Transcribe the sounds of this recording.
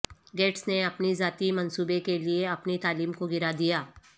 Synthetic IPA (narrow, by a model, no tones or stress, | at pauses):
ɡeːʈsneɐpnizaːt̪imɐ̃nsuːbekelieɐpnit̪aːliːmkoɡɪɾad̪ijaː